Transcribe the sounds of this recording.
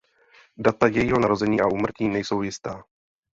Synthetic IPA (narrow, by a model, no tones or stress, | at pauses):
dat̪ajɛjiːɦo̞naɾo̞zɛɲiːʔaʔuːmr̩ciːnɛjso̞wjɪst̪aː